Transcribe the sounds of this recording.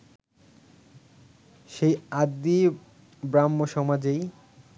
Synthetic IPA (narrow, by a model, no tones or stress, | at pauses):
ʃejad̪ːi | bɾamːoʃɔmad͡ʑej